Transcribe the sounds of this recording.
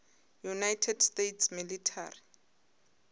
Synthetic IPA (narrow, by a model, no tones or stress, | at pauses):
junajtʰɛdstetʰsmilitʰa̰ːri